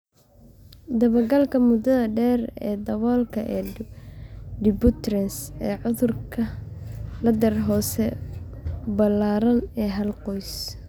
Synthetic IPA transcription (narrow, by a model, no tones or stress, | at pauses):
d̪ɐβɐɡɐlkʰɐmʊd̪ɐðɐɖɛːrɛ̰ːd̪ɐβɔːlkʰɐʔɛː | ɖɪbʊt̪rɛnsɛːʕʊðʊrkʰɐ | lɐd̪ɐɾɦɔːsɛ | bɐlaːɾɐnɛːɦɐlqɔjs